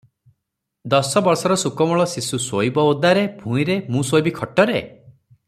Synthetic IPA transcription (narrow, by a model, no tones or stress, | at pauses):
d̪ɔsɔbɔɾsɔɾɔsukɔmɔɭɔsisusoibɔud̪aɾebʱũĩɾemũsojbikʰɔʈɔɾe